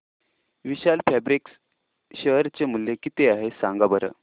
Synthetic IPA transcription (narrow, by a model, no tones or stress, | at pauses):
ʋiɕalfæbɾiks | ɕəɦɾt͡ɕemulːekit̪eaɦesãŋɡabəɾə̰